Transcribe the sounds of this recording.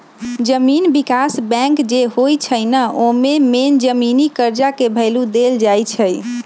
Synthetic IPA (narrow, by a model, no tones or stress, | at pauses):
d͡ʒəminbikasbɛ̃ŋkd͡ʒeɦojt͡ʃʰəjnəʔomemend͡ʒəminikəɾd͡ʒakebʱəlud̪eld͡ʒajt͡ʃʰəj